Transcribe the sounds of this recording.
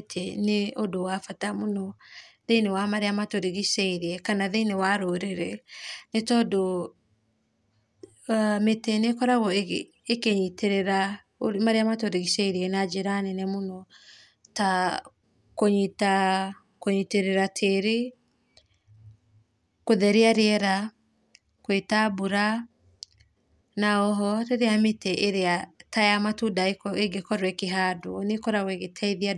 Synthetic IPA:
tʰeneodowafatamonɔðenewamaɾeamatoɾeɣisɛiɾeɛkanaðeinewaɾoɾeɾɛnetɔdo | metenekɔɾaɣɔ | ekeɲiteɾɛɾa | oɾmaɾeamatoɾeɣisɛiɾiɛnad͡ʒeɾanɛnemonɔ | ta | koɲita | koɲiteɾeɾatʰeɾe | koðɛɾeaɾeɛɾa | kwetabuɾa | naɔɦɔɾeɾeametɛʔeɾeatajamatudaekɔeɡekɔɾwekeɦadonekɔɾaweɣetʰaiðia

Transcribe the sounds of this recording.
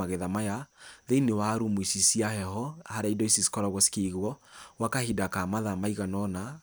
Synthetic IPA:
aɣeðamajaðeinewaɾumoisisiahɛhɔhaɾaidɔisisi̥kɔɾɔɣwɔsi̥keɣwɔwakahidakamaðamaiɣanɔna

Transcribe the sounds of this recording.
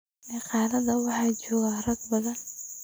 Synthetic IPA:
ʔɪqɑːlɐðɐwɑħɑːd͡ʒɔːɣarɐɡbɐðɐn

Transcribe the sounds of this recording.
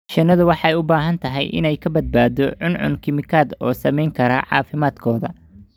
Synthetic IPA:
ʃɐnːɐðʊwɑħɑɛjʊbaːɦɐnt̪ʰɐɦɛjʔɪ̰nɛjkʰɐbɐd̪̚baːd̪ɔʕʊnʕʊ̰nkʰɪmɪkʰaːd̪ɔːsɐmɛjŋkʰɐɾɐʕɑ̰ːfɪmaːd̪kʰɔːðɐ̰

